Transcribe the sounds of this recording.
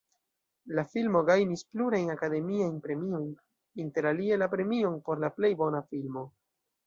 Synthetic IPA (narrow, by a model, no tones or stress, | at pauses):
lafilmo̞ɡajnispluɾajnakade̞miajnpɾe̞mio̞jn | inte̞ɾalie̞lapɾe̞mio̞npo̞ɾlaple̞jbo̞nafilmo̞